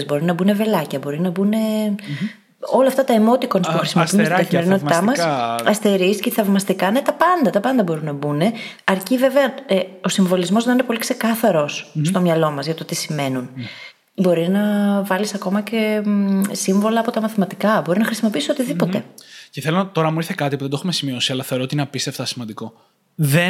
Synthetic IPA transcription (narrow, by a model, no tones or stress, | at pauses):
zbo̞ɾinɐbune̞ve̞lɐcɐbo̞ɾinɐbune̞ | olɐːft̪ɐt̪ɐemo̞t̪iko̞nspuxɾisimo̞piunt̪iɡɐθime̞ɾino̞t̪it̪ɐmɐsɐst̪e̞ɾisceθɐvmɐst̪ikɐnet̪ɐpɐnd̪ɐt̪ɐpɐnd̪ɐbo̞ɾunːɐbune̞ɐɾcive̞veɐeo̞siɱvo̞lizmo̞zðɐinepo̞likse̞kɐθɐɾo̞sst̪o̞mɲɐlo̞mɐzʝɐt̪o̞t̪isime̞nun | bo̞ɾinɐvɐlisɐko̞mɐce̞ | siɱvo̞lɐːpo̞t̪ɐmɐθimɐt̪ikɐbo̞ɾinɐxɾisimo̞piiso̞t̪iðipo̞t̪e̞̰ceθelot̪o̞ɾɐmuiɾθekɐt̪ipuðed̪o̞xumesimio̞siɐlɐθeɾot̪inɐpist̪eft̪ɐsimɐnd̪iko̞ | ðe